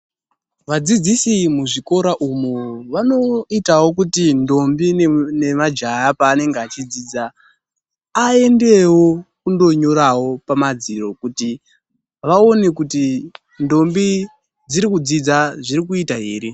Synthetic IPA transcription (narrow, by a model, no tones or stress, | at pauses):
ʋad͡zid͡zisimuʐiko̞ɾaʔumoʋano̞itawo̞k̬utindo̞mbine̞mad͡ʒajapaːne̞ŋɡeat͡ʃid͡ziːd͡za | e̞nde̞wo̞kundo̞ɲo̞ɾawo̞pamad͡ziro̞kuti | ʋao̞ne̞kuti | ndo̞mbi | d͡ziɾikud͡zid͡zaʐiɾikuitaɦeːɾi